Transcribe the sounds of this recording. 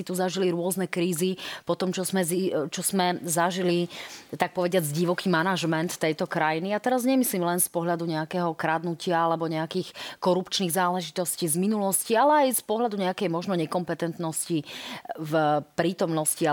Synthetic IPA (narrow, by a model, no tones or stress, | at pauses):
it̪uzaʒiliɾʊɔznɛkɾiːzipɔt̪ɔmt͡ʃɔzmɛzit͡ʃɔz̥mɛzaʒilit̪ak̚pɔʋɛɟɪad͡zɟiʋɔkiːmanaʒmɛnt̪t̪ːɛjt̪ɔkɾajiniat̪ɛɾazɲɛmisliːmlɛnspɔɦʎad̪uɲɛakɛɦɔkɾad̪nucɪaalɛbɔɲɛakiːxkɔɾupt͡ʃniːɣzaːlɛʒit̪ɔsciːzminulɔscialɛajspɔɦʎad̪uɲɛakɛjmɔʒnɔɲɛkɔmpɛt̪ɛnt̪nɔscivpɾiːt̪ɔmnɔscia